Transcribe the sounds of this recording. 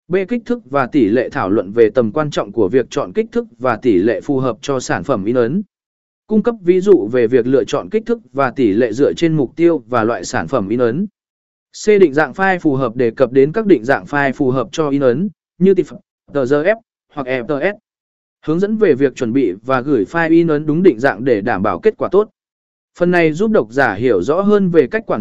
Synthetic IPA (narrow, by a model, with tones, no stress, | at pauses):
ɓe˧kï˦˥k̚t̪ʰɨ˦˥k̚vaː˨˩t̪i˧˩lḛ˧˨t̪ʰaː˧˩wlwə̰˧˨nve˨˩t̪ə˨˩mkwaː˧nt͡ɕɔ̰˧˨wŋ͡mku˧˩əvi˨˩ək̚t͡ɕɔ̰˧˨nkï˦˥k̚t̪ʰɨ˦˥k̚vaː˨˩t̪i˧˩lḛ˧˨fu˨˩ɦəː˨˩p̚t͡ɕɔ˧saː˧˩nfə˧˩mʔi˧ʔə˨˦n | kʊ˧ŋ͡mkə˦˥p̚vi˨˦zṵ˧˨ve˨˩vi˨˩ək̚lɨ̰˧ət͡ɕɔ̰˧˨nkï˦˥k̟̚t̪ʰɨ˦˥k̚vaː˨˩t̪i˧˩lḛ˧˨zɨ̰˧˥ət͡ɕe˧nmʊ˨˩k͡p̚t̪i˧əwvaː˨˩lwa̰ː˧˨jsaː˧˩nfə˧˩mʔi˧ʔə˨˦n | se˧ɗḭ̈˧˨ŋ̟za̰ː˧˨ŋfaː˧jfu˨˩ɦəː˨˩p̚ɗe˧˩kə˨˩p̚ɗe˨˦nkaː˦˥k̚ɗḭ̈˧˨ŋ̟za̰ː˧˨ŋfaː˧jfu˨˩ɦəː˨˩p̚t͡ɕɔ˧ʔi˧ʔə˨˦n | ɲɨ˧t̪i˨˩˨ | t̪əː˧˩zəː˧ʔɛ˦˥p̚ | hwa˨˩k̚ʔɛ˧˩t̪əː˧ʔɛ˦˥p̚ | hɨ˨˦əŋzə̰˧˥nve˨˩vi˨˩ək̚t͡ɕwə˧˩nɓḭ˧˨vaː˨˩ɣɨ˧˩jfaː˧jʔi˧wə˨˦nɗʊ˨˦ŋ͡mɗḭ̈˧˨ŋza̰ː˧˨ŋɗe˧˩ɗaː˧˩mɓaː˧˩wke˦˥t̚kwaː˧˩t̪o˦˥t̚ | fə˨˩nːa˨˩jzu˦˥p̚ɗə˨˩wk͡p̚zaː˧˩ɦi˧˩əwzɔ̰˧˥ɦəː˧nve˨˩ka˦˥k̚kwaː˧˩˨